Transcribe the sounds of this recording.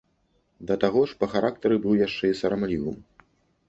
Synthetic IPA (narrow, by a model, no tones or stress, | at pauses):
d̪ɐt̪aɣɔʂpɐxaɾʔak̚t̪ɐɾɨbɨwjaʂt͡ʂɛisɐɾamlʲivɨ̰m